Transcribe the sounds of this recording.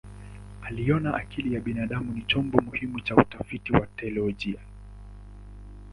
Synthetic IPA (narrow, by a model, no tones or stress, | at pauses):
aliɔnaʔakilijaɓinaɗamunit͡ʃɔmbɔmuhimut͡ʃautafitiwatɛlɔʄia